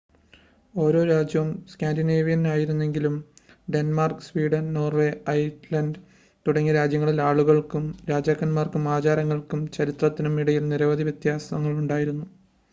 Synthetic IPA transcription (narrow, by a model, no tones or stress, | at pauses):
o̞ːɾo̞ːɾaːd͡ʑjɐʋmskʲaːndineːʋijɐnaːjiɾunːe̞ŋɡilum | ɖe̞nmarksʋiːɽɐnno̞ːrʋeɐjtlɐnɖ | t̪uɽɐŋːiɾaːd͡ʑjɐŋːɐɭilaːɭuɣɐɭkumɾaːd͡ʑaːkːɐnmaːrkumaːd͡ʑaːɾɐŋːɐɭkumt͡ɕɐɾit̪rɐt̪ːinumiɽɐjilniɾɐʋɐðiʋjɐt̪jaːsɐmɐŋːɐɭuɳɖaːjiɾunːu